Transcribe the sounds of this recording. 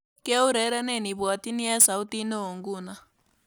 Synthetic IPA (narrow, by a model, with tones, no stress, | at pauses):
ka˦u˦ɾɛ˨˦ɾɛ˦nɛ˨ni˨βwa˨ti˦ni˦a˦sa˨u˦ti˦no˦o˨ŋɡu˦˨na˨